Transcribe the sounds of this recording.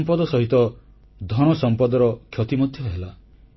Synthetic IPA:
mpɔd̪ɔsɔɦit̪ɔ | d̪ʱɔɽ̃ɔsɔmpɔd̪ɔɾɔkʰjɔt̪imɔd̪ʱjɔɦela

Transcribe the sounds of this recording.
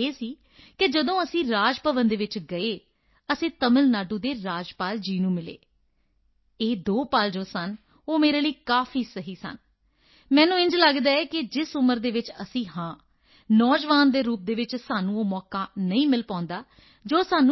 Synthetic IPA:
eːsiː | kɪd͡ʒəd̪õːəsĩːɾaːd͡ʒpəʋənd̪eːʋɪt͡ʃɡəeː | əsĩːt̪əməlnaːɖuːd̪eːɾaːd͡ʒpaːld͡ʒiːnũːmɪlḛː | eːd̪oːpaːld͡ʒoːsən | oːmeːɾeːləiːkaːfʰiːsəɦiːsə̰n | mɛ̃ːnũːɪ̃ɲd͡ʒləɡd̪aːɛːkɪd͡ʒɪsʊməɾd̪eːʋɪt͡ʃəsĩːhãː | nɔːd͡ʒʋaːnd̪eːɾuːp̚d̪eːʋɪt͡ʃsaːnũːoːmɔːkaːnəĩːmɪlpãːnd̪aː | d͡ʒoːsaːnũː

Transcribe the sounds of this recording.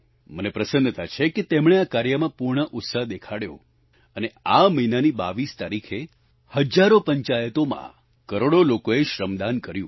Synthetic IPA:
mənepɾəsənət̪ʰat͡ʃʰeket̪emɽ̃eakaɾjəmãpuɾɳ̃əʔʊt̪saɦd̪ekʰaɽjo̰ | əneaməinaniba̰ʋist̪aɾikʰe | həd͡ʒaɾopəɲt͡ʃajət̪omã̰ | kəɾoɽolokoeʃɾəmd̪ankəɾjũ

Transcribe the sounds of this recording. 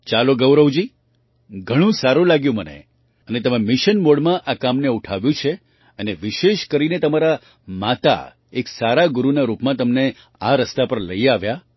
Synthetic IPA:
t͡ʃaloɡəwɾəwd͡ʒi | ɡʱəɽ̃ũsaɾũlaɡjũmənḛ | ənet̪əmemɪʃənmoɽmãʔakamneuʈʰaʋjũt͡ʃʰe | əneʋɪʃeʃkəɾinet̪əmaɾa | mat̪a̰ | eksaɾaɡʊɾunaɾupmãt̪əmne | aɾəst̪apəɾləiaʋja

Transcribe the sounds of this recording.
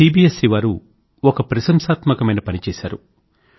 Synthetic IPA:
iːbiːesiʋaːɾu | ɔkɐpɾɐsɐmsaːt̪mɐkɐmɐjnɐpɐnit͡ʃɛːsaːɾu

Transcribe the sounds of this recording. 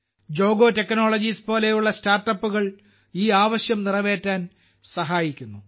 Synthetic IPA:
d͡ʑo̞ːɡo̞ːte̞kno̞ːɭɐd͡ʑispo̞ːle̞juɭːɐstaːrʈːɐpːuɣɐɭ | iːaːʋɐɕjɐmnirɐʋe̞ːtːaːn | sɐɦaːjikʲːunːu

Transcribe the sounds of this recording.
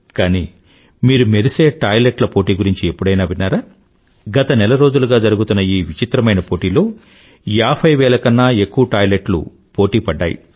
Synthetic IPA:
kaːniː | miːɾumeɾise̞ːʈaːjleʈlɐpo̞ːʈiːɡuɾiɲt͡ʃie̞pːuɽɐjnaːbinːaːɾaː | ɡɐt̪ɐnɛlɐɾo̞ːd͡ʒuluɡaːd͡ʒɐɾuɡut̪unːɐiːʋit͡ʃit̪ɾɐmɐjnɐpoːʈiːlo̞ː | jaːbʰʱɐjʋɛːlɐkɐnːaːe̞kːuʋɐʈaːjleʈlṵ | po̞ːʈiːpɐɖːa̰ːjḭ

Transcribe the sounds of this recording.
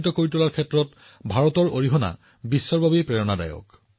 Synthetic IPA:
itɔkoɹitulaɹkʰɛtɹɔt | bʱaɹɔtɔɹoɹiɦɔna̰ | bisːɔɹbʱabipɹɛɹɔnada̰jɔ̰k

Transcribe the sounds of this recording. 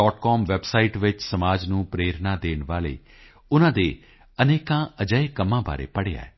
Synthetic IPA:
ɔːʈkɔːmʋɛbsaːiʈʋɪt͡ʃsəmaːd͡ʒnũːpɾeːɾnaːd̪eːnʋaːlḛː | ʊnãːd̪eː | əneːkãːəd͡ʒəekəmːãːba̰ːɾḛːpəɽeːa̰ːɛː

